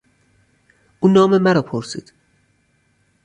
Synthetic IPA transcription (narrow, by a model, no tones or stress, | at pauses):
ʔuːnɒːmemæɾɒːpʰoɾsḭːd̪̥